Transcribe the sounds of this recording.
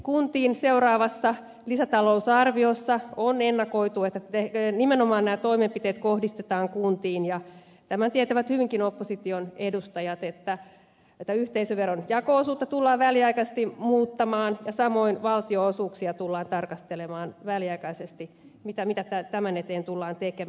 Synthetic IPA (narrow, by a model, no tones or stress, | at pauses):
kunt̪iːnseurɑːʋɑsːɑ | lisæt̪ɑlousɑrʋiosːɑonenːɑkoit̪uet̪ːæt̪enimenomɑːnnæːt̪oimempit̪eːt̪kohdist̪et̪ɑːŋkunt̪iːnjɑ | t̪æmænt̪iet̪æʋæt̪hyʋiŋkinopːosit̪ionedust̪ɑjɑt̪et̪ːæ | et̪ːæyht̪eisøʋʋerːonjɑkoosuːt̪ːɑt̪ulːɑːʋʋæliɑikɑst̪imuːt̪ːɑmɑːnjɑsɑmoinʋɑlt̪ioosuːksiɑt̪ulːɑːnt̪ɑrkɑst̪elemɑːnʋæliɑikɑisest̪i | mit̪æmit̪æt̪æt̪æmænet̪eːnt̪ulːɑːnt̪eke